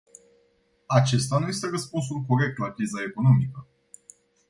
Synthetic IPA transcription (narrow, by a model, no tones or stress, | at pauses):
at͡ʃe̞st̪anuje̞st̪e̞ɾəspuns̬ulko̞ɾe̞k̚t̪lakɾizae̞ko̞no̞mikə